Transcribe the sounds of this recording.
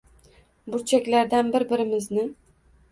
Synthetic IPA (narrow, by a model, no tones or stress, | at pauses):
bʊɾt͡ʃʰakʲlaɾd̪anbɪɾbɪɾɪmɪznɪ